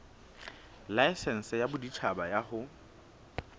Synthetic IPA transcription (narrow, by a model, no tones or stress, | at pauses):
laɪsɛn̩sɛjabʊdit͡ʃʰabajahʊ